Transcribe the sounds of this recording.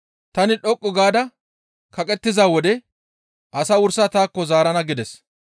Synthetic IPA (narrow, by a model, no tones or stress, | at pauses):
t̪ɐnɪɗɔkʼːɔɡaːd̪ɐ | kɐkʼɛt̪ːɪzaːwɔd̪ɛ | ʔɐsɐwʊɾsat̪aːkːɔzaːɾɐnɐɡɪd̪ɛs